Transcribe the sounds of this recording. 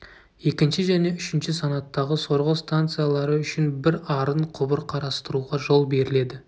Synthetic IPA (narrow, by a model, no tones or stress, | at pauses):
je̞kʲɪnʃɪʒæne̞ʏʃɪnʃɪsɑnɑt̪ːɑʁəso̞ɾʁəst̪ant̪sɨjalˠɑɾəʏʃɪnbɪɾɑɾəɴqʰʊbəɾqʰɑɾɑst̪əɾuʁɑʒo̞lˠbe̞ɾɪle̞d̪ɪ